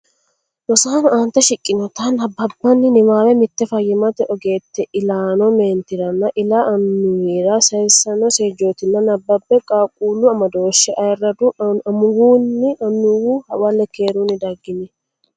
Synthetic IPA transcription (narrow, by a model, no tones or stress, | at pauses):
wɔsaːnaːnt̪ɐʃɪkʼːɪnɔt̪ɐnɐbːɐbːɐnːɪnɪmaːwɛmɪt̪ːɛfɐjːɪmɐt̪ɛʔɔɡe̞ːt̪ːɛʔɪlaːnɔmeːnt̪ɪɾɐnːɐʔɪlaɐnːʊwiːɾasɐjɪsːɐnɔseːd͡ʒoːt̪ɪnːɐnɐbːɐbːɛkʼaːkʼuːluɐmɐd̪o̞ːʃːɛʔɐjɛrɐd̪uɐmʊɡuːnːɪɐnːʊwuːhɐwɐlːɛkeːɾuːnɪd̪ɐɡɪnɪ